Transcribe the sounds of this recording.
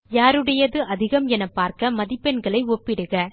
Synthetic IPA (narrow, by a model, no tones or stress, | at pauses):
jaːɾɯɽɐjɐðɯʔɐðɪɣɐmɛnɐpːaːɾkɐmɐðɪpːɛnɡɐɭɐɪɔpːɪɽɯɣɐ